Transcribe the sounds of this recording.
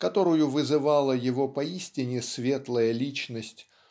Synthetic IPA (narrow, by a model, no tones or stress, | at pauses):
kɐt̪o̞ɾʊjʊvɨzɨvɑlˠəjɪvo̞pɐisʲtʲɪnʲɪsvʲe̞t̪lˠəjəlʲit͡ɕnəsʲtʲ